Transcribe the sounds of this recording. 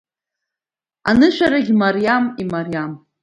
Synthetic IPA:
anɨʃʷᶣaɾaɡʲmarijamimarijam

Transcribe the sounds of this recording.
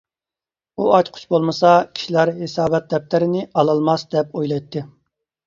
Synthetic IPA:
uɑt͡ʃ̪ʲqʰʊ̥t͡ʃʰbolˠmɨsɑkʲʰi̥ʃilæɾɦesɑːbɛt̪̚d̪ɛp̚t̪ɪɾɪnɪɑlˠɑlˠmɑsd̪ɛpojlˠɑjt̪ʰːɨ

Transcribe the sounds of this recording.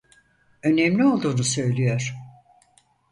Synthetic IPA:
ø̞nɛmlʲio̞lˠd̪uːnusø̞jlʲijoɾ̥

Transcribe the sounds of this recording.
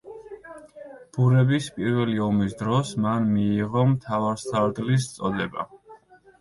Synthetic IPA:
b̥uɾɛbispʼiɾvɛliɔmis̬d̪ɾɔsmanmiːʁɔmt̪ʰavaɾst̪ʰaɾd̪lis̬t̪sʼɔd̪ɛba̰

